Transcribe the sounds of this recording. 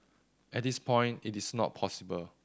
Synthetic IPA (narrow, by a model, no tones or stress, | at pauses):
ʔɛt̚dispʰɔ̃j̃ntitisnɔ̰t̚pʰɔsibəl